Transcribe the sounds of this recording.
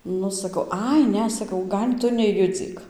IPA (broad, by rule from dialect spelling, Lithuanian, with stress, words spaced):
ˈnʊ sɐˈkɐʊ ˈɐɪ ˈnʲɛ sɐˈkɐʊ ˈɡɐlʲ ˈtʊ nʲɛˈjʊd͡zʲiːk